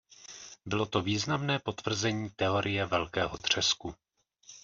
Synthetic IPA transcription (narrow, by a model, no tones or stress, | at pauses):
bɪlo̞t̪o̞viːznamnɛːpo̞t̪v̥r̩zɛɲiːt̪ɛo̞ɾʔɪjɛvɛlkɛːɦo̞t̪r̝̥ɛsku